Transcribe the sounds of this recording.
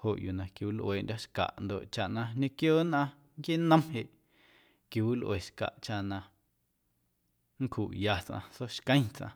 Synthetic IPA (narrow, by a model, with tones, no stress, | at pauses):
ho˨ʔju˨nã˨kju˨wlʔweː˨ʔndʲa˦ʃka̰˨ʔnd̪o̰˨ʔt͡ʃa˨ʔnã˧ɲẽ˦kjoː˦˨nʔã˧ | ŋkje˦nə̃˦mɦe˨ʔ | kju˨wi˦lʔweː˨ʃka̰˨ʔt͡ʃa˧ʔnã˧ | ŋ̩˦kʰu˨ʔja˧t͡sʔã̰˧so˦ʃkə̃˦j̃t͡sʔã̰˧